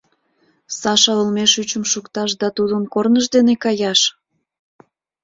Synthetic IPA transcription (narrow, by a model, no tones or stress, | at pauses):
sɑʃɑəlmeʃyt͡ɕəmʃukt̪ɑʃd̪ɑt̪ud̪əmkornəʃd̪enekɑjɑʃ